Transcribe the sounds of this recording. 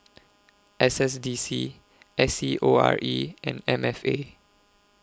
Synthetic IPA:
ʔɛsɛsdisi | ʔɛsiʔoa̰ɹʔiʔɛ̰̃nɛ̃mɛfe

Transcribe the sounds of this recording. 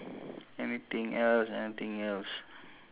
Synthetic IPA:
ɛnit̪ĩŋɛlsɛnit̪ĩŋɛls

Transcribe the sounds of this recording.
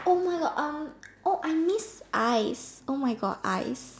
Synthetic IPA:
ʔomajɡɔʔamʔoʔajmisʔajsʔomajɡɔ̰dʔa̰js

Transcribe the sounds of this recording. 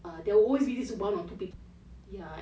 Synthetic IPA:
adɛwɔlwezbidisubãnɔ̃ntupip | ja

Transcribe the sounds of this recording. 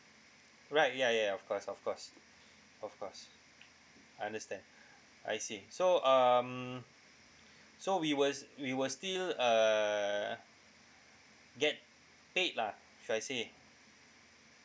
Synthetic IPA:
ɹaɪt̚jajaɔfkʰɔsɔfkʰɔs | ɔfkʰɔs | aɪãndəstɛ̃nd | ʔa̰jsisoʌm | sowiwəwiwəstilʌ | ɡɛt̚ | pet̚la | ʃudajse

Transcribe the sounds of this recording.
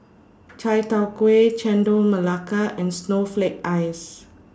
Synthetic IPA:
t͡ʃajtawkwet͡ʃɛ̃ndoməlakaʔɛ̃nsnoflek̚ajs

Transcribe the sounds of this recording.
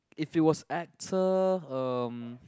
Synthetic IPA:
ɪfiwɔsɛk̚tʰəʌ̃m

